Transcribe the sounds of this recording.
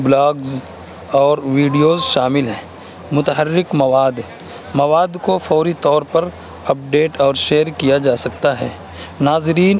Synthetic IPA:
blaːɡz | ɔːɾʋiːɖijoːzʃaːmɪlɦɛ̃ː | mʊt̪əɦəɾːɪkmɐʋaːd̪ | mɐʋaːd̪kofɔːɾit̪ɔːɾpɐɾ | ɐp̚ɖeːʈɔːɾʃeːəɾkijad͡ʒaːsɐk̚t̪aɦɛː | naːzɾiːn

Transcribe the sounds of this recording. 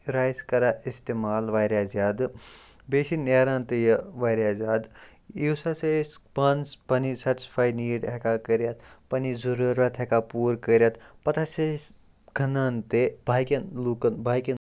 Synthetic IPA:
ɾaːjskɐɾaist̪eːmaːlʋaːjɾjaːzaːd̪beːsineːɾaːnt̪ejɐʋaːjɾʲjaːzʲaːd̪iwsɐsespɐnspɐnisɐʈi̥spʰaːjniːɽɦekakəɾjat̪ʰpɐnizuɾuɾɐt̪ʰɦekapuːɾkəɾʲjat̪pɐt̪ʰases | ɡʱɐnaːnt̪ebʱaːjkʲɐnlukɐnbʱaːjkɐn

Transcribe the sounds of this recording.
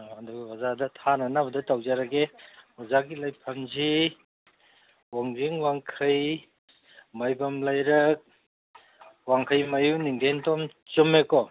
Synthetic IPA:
anduɡiwazadɐtʰananabɐdɐtawzaɾɐɡeɔzaɡilajpʰɐmzi | waŋziŋwaŋkʰɐj | majbɐmlajɾɐk̚ | waŋkʰɐjmɐjuniŋdʱentomt͡ʃumekɔ

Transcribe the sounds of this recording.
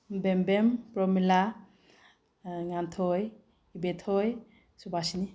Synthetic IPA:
bembempɾɔmila | ŋantʰɔj | ibet̪ʰɔj | subasini

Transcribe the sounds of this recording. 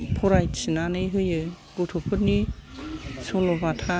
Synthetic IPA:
pʰɔɾajtsɯnanɯjɦɯjɯ | ɡ̥otʰopʰɯt̚ni | solobatʰa

